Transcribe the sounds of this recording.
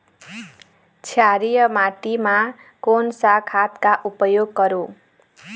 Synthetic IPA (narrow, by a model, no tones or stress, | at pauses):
t͡sʰjaɾijʌmaʈima | konsakʰat̪kaʔupʌjoɡːʌɾu